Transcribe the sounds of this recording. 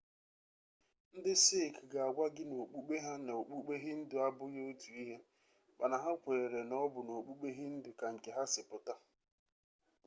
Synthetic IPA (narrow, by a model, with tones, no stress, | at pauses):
n̩˦dɪ˦se˦˨kɡa˨a˨ɡʷa˦ɡɪ˦no˨k͡pu˦k͡pe˦ɦa˦na˨o˨k͡pu˦k͡pe˦ɦɪ˦n̩˦dʊ˨˦a˦bʊ˦ɣe˦o˦tʰu˨i˦ɦe˦ | k͡pa˨na˨ɦa˦kʷe˨e˨ɾe˨nɔ˦bʊ˨no˨k͡pu˦k͡pe˦ɦɪ˦n̩˦dɪ˨ka˨ŋ̩˨ke˨ɦa˦sɪ˨pʊ˨ta˦